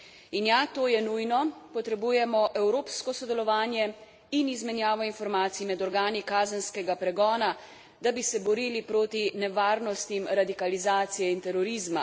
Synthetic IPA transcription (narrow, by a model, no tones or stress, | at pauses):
injat̪oːjɛnujnɔpɔt̪ɾɛbuːjɛmɔʔɛwɾoːpskɔsɔd̪ɛlɔʋaːnjɛ | inizmɛnjaːʋɔinfɔɾmaːt̪sijimɛd̪ɔɾɡaːnikaːzənskɛɡapɾɛɡɔːna | d̪abisɛbɔɾiːlipɾoːt̪inɛʋaːɾnɔst̪imɾad̪ikalizaːt̪sijɛint̪ɛɾɔɾizma̰